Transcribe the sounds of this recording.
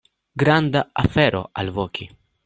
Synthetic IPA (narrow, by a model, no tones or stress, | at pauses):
ɡɾand̪aafeɾo̰alvokʰi